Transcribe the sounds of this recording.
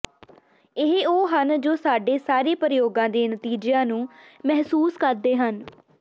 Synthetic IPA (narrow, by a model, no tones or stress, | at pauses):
ɪɦoːɦənd͡ʒoːsaːɖeːsaːɾeːpɾjoːɡãːd̪eːnət̪iːd͡ʒejãːnũːmɛɦsuːskəɾd̪eːɦən